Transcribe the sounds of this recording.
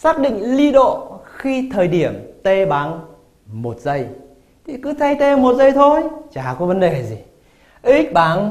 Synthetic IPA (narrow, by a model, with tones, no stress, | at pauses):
saː˦˥k̚ɗḭ̈˧˨ŋ̟li˧ɗo̰˧˨xi˧t̪ʰəː˨˩jɗi˧˩əmt̪e˧ɓaː˨˦n | mo˨˩t̚zə˧j | t̪ʰi˨˩kɨ˨˦t̪ʰa˧jt̪e˧mo˨˩t̚zə˧jt̪ʰo˧jt͡ɕaː˧˩kɔ˨˦və˨˦nɗe˨˩zi˨˩ | ʔi˦˥k̚ɓaː˨˦n